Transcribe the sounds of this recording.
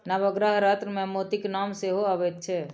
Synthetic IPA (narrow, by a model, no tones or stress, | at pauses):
naʋəɡɾəɦɾat̪ɾəmẽmot̪iknamseɦoaʋɛt̪t͡ʃʰɛ